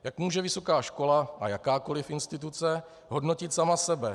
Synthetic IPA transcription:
jakmuːʒɛvɪso̞kaːʃko̞laʔa̰jakaːko̞lɪfɪnst̪ɪt̪̬ut͡sɛ | ɦo̞dno̞cɪt̪samasɛbɛ

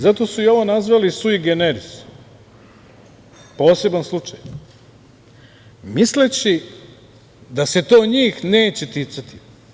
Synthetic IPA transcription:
zat̪o̞suio̞ʋo̞nazʋalisuiɡeneɾis | po̞ːse̞banslˠut͡ʂaj | mislet͡ɕi | d̪ase̞t̪oːɲiːxne̞ːt͡ɕet̪it̪sat̪i̥

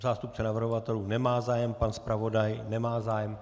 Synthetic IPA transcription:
zaːst̪up̚t͡sɛnavr̩ɦovat̪ɛluːnɛmaːzaːjɛmpanspɾavo̞dajnɛmaːzaːjɛm

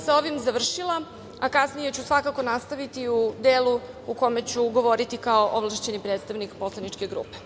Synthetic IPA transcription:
sao̞ʋimzaʋr̩ʃila | akasnijet͡ɕusʋakako̞nast̪aʋit̪iud̪eːlu | uko̞met͡ɕuɡo̞ʋo̞ɾit̪ikaoʔoʋlˠaʃt͡ɕenipɾeːt̪st̪aʋnikpo̞slˠanit͡ʂke̞ɡɾṵːpe

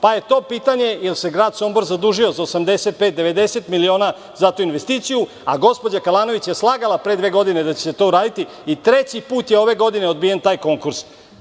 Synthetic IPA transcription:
paje̞t̪o̞ːpiːt̪aɲe̞jelse̞ɡɾaːd̪so̞mboɾzad̪uːʒio̞zaosamd̪e̞set̪̚pet̪̚d̪e̞ʋe̞d̪e̞se̞t̪milio̞ːna | zat̪uinʋest̪iːt̪siju | aɡo̞spo̞d͡ʑakalˠaːno̞ʋit͡ɕje̞slˠaːɡalˠapɾed̪ʋe̞ːɡo̞d̪ine̞d̪at͡ɕese̞t̪o̞uɾaːd̪it̪i | it̪ɾet͡ɕipuːt̪jeo̞ʋe̞ɡo̞d̪ineo̞d̪̚bije̞nt̪aːjko̞ŋkuɾs

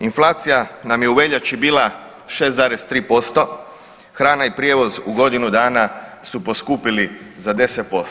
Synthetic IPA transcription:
inflˠaːt̪sijanamjeuʋe̞ʎat͡ʃibiːla | ʃe̞ːsaːɾest̪ɾiːpo̞st̪o̞ | xɾaːnaipɾjeʋo̞zuɡo̞d̪inud̪aːnasupo̞skupilizad̪e̞set̪̚po̞s

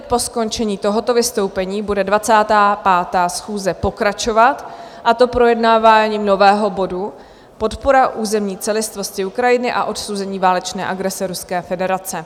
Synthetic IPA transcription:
t̪̚po̞sko̞nt͡ʃɛɲiːt̪o̞ɦo̞t̪o̞vɪst̪o̞wpɛɲiːbudɛdvat͡saːt̪aːpaːt̪aːsxuːzɛpo̞kɾat͡ʃo̞vat̪ | ʔat̪o̞pɾo̞jɛdnaːvaːɲiːmno̞vɛːɦo̞bo̞du | po̞t̪poɾaʔuːzɛmɲiːt͡sɛlɪst̪vo̞scɪukɾajɪnɪʔa̰ʔo̞t̪sowzɛɲiːvaːlɛt͡ʃnɛːʔaɡɾɛsɛɾuskɛːfɛdɛɾat͡sɛ

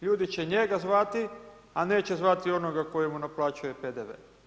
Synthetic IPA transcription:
ʎuːd̪it͡ɕe̞ɲe̞ɡazʋat̪i | ane̞ːt͡ɕe̞zʋat̪io̞noɡako̞jemunaplˠaːt͡ʃujeped̪eʋḛː

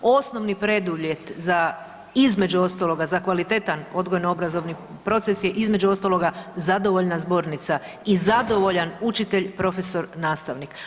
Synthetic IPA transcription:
o̞sno̞ʋnipɾe̞d̪uʋjje̞t̪za | izme̞d͡ʒuo̞st̪alˠo̞ɡazakʋalit̪e̞t̪ano̞d̪ɡojenoobɾazo̞ʋni | pɾo̞t̪se̞sjeʔizme̞d͡ʒuo̞st̪alˠo̞ɡazad̪o̞ʋo̞ʎnazbo̞ɾnit̪sa | izad̪o̞ʋo̞ʎanut͡ʃit̪e̞ʎpɾo̞fe̞so̞ɾnaːst̪aʋnik

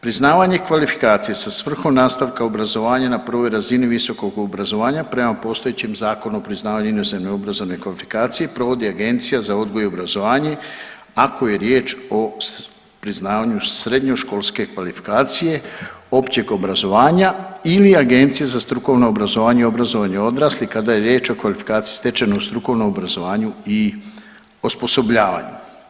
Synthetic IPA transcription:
pɾiznaːʋaɲe̞kʋalifi̥kaːt̪sijesasʋr̩xo̞mnaːst̪aʋkao̞bɾazo̞ʋaːɲanapr̩ʋo̞jɾaziniʋiso̞ko̞ɡobɾazo̞ʋaːɲapɾe̞mapo̞st̪o̞jet͡ɕemzaːko̞nuopɾiznaːʋaɲuinozemnoo̞bɾazo̞ʋne̞kʋalifi̥kaːt̪sije̞pɾo̞ʋo̞d̪iaɡe̞nt̪sijazao̞d̪ɡojobɾazo̞ʋaːɲe | ako̞je̞ɾje̞ːt͡ʃo̞ | pɾiznaːʋaɲusɾe̞d̪ɲo̞ʃko̞lˠske̞kʋalifi̥kaːt̪sije̞o̞pt͡ɕeɡo̞bɾazo̞ʋaːɲailiaɡe̞nt̪sijazast̪ɾuko̞ʋno̞obɾazo̞ʋaːɲeio̞bɾazo̞ʋaɲeo̞d̪ɾaːslikad̪ajeɾje̞ːt͡ʃo̞kʋalifi̥kaːt̪si̥ji̥st̪e̞t͡ʃenoust̪ɾuko̞ʋnomobɾazo̞ʋaːɲui | ospo̞so̞bʎaːʋa̰ɲu

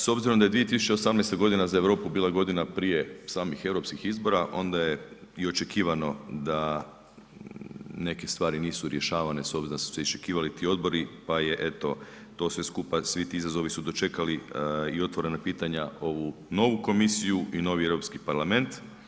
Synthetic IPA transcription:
so̞bziɾomd̪aje̞d̪ʋie̞t̪isut͡ʃe̞osamnejst̪aɡo̞d̪inazaeʋɾo̞ːpubiːlˠaɡo̞d̪inapɾije̞saːmixe̞ʋɾopskixizbo̞ɾaʔo̞̰nd̪ajeio̞t͡ʃekiːʋano̞d̪a | ne̞ke̞st̪ʋaːɾiniːsuɾje̞ʃaːʋane̞so̞bziɾonasu̥seist͡ʃe̞kiːʋalit̪iːo̞d̪bo̞ɾipajeʔet̪o̞ | t̪o̞ːsʋe̞skupasʋit̪iizazo̞ʋisud̪o̞t͡ʃe̞kaliio̞t̪ʋo̞ɾe̞napiːt̪aɲao̞ʋuno̞ʋuko̞misijuino̞ʋie̞ʋɾo̞pskipaɾlˠame̞nt̪

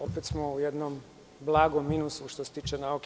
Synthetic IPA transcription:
opet̪smoujed̪nom | blˠaːɡomːinusuʃt̪ose̥t̪iːt͡ʃenaok

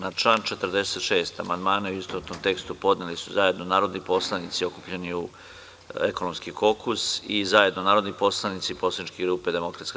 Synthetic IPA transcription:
nat͡ʃlant͡ʃe̞t̪ɾd̪e̞set̪ʃeːst̪a̰mand̪maːnauist̪ot̪omt̪e̞kst̪upo̞d̪nelisuzaje̞d̪no̞naːɾo̞d̪nipo̞slˠanit̪sio̞kupʎeniu | ekono̞mskiko̞kusizaje̞d̪no̞naːɾo̞d̪nipo̞slˠanit̪siposlanit͡ʃkiɡɾuːpe̞d̪e̞mo̞kɾat̪ska

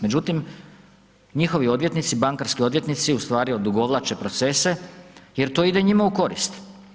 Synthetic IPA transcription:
me̞d͡ʒut̪im | ɲixo̞ʋio̞d̪ʋje̞t̪nit̪sibaŋkaɾskio̞d̪ʋje̞t̪nit̪siust̪ʋaːɾiod̪uɡo̞ʋlˠat͡ʃe̞pɾo̞t̪se̞se̞je̞ɾt̪oid̪eɲimauko̞ɾist̪

